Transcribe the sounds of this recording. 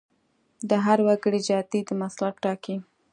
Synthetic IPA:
d̪əɦaɾwaɡəɽid͡ʒɑt̪id̪əmaslap̚ʈɑki

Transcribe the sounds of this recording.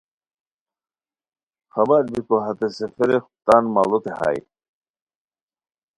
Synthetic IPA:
xɐbaɾbikoɦɐt̪esefeɾext̪anma̰lut̪eha̰j

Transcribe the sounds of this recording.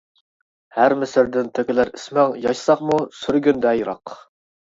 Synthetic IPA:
hæɾmɪsɪɾd̪ɪnt̪ʰøkʲɪlæɾi̥smɛŋjɑʃsɑχmusyɾɡʲynd̪ɛjɾɑq

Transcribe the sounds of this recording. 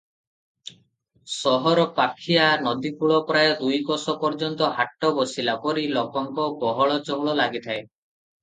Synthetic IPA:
sɔɦɔɾɔpakʰianɔd̪ikuɭɔpɾaed̪ujkɔsɔpɔɾd͡ʒɔnt̪ɔɦaʈːɔbɔsilakɔɾilɔkɔŋkɔbɔɦɔɭɔt͡ʃɔŋɭɔlaɡit̪ʰae

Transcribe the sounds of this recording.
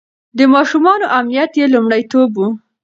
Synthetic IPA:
d̪əmɑʃumɑnoʔamnijat̪jelumɽəjt̪obwu

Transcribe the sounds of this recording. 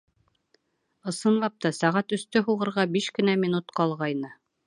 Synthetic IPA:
ɤ̆sɤ̆nlˠɑp̚t̪ɑsæʁæt̪ɵ̆st̪ɵɦuʁɤ̆ɾʁɑbiʃkɘ̆næminut̪qɑlˠʁɑjnɤ

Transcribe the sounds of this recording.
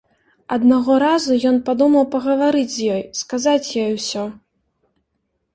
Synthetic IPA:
ɐd̪naɣɔɾazujɔnpad̪umɐwpɐɣɐvaɾɨd͡zʲzʲjɔjskazat͡sʲjɔjwsʲɔ

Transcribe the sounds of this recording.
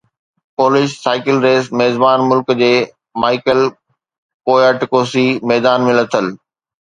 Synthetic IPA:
poːlɪʃsaːɪkəlɾeːsmeːzbaːnmʊlkd͡ʑeː | maːɪkəl | koːəːʈɪkoːsimɛːd̪aːnmɪ̃lɐt̪ʰəl

